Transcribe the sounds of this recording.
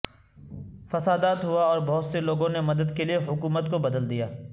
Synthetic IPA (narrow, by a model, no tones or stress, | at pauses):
fɐsaːd̪aːt̪ɦuaɔːɾbɔɦʊt̪seloːɡõnemɐd̪əd̪kelieɦʊkuːmət̪kobɐd̪əld̪ijaː